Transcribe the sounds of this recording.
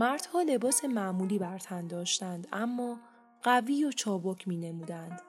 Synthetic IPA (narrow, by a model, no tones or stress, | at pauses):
mæɾd̪̥hɒːle̞bɒːse̞mæʔmuːliːbæɾt̪ʰænd̪ɒːʃt̪ænd̪æmːɒː | ɢ̥æviːjot͡ʃʰɒːbocʰmiːne̞muːd̪ænd̪̥